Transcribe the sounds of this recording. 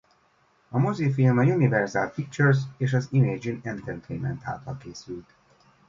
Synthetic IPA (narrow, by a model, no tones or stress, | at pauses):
ɒmozifilmɒjunivɛrzaːl̚pik̚t͡ʃɛrseːʃɒzimeːd͡ʒinɛnt̪ɛnt̪ʰeːnmɛ̰nt̪a̰ːt̪ɒ̰lkeːsylt̪